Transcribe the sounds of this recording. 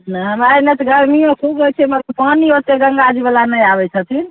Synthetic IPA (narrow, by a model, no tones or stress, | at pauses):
naɦbajnet̪ɡəɾmiõkʰubɡət͡ʃʰɛmət̪ləb̚pəniot̪eɡəŋɡad͡ʒibəlanəjabɛt͡ʃʰət̪ʰin